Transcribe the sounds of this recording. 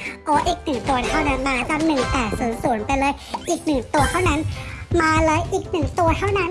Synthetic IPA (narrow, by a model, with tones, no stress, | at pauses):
ʔɔː˨˦ʔiː˨˩k̚nɯ˨˩ŋt̪u˧ɐt̪ʰa˥˩wna˦˥nmaː˧t͡ɕa˧mnɯ˨˩ŋpɛː˨˩t̚suː˨˩˦nsu˨˩˦ənpa˧jlɤː˧jʔiː˨˩k̚nɯ˨˩ŋt̪u˧ət̪ʰa˥˩wna˦˥nmaː˧lɤː˧jʔiː˨˩k̚nɯ˨˩ŋt̪u˧ɐt̪ʰa˥˩wna˦˥n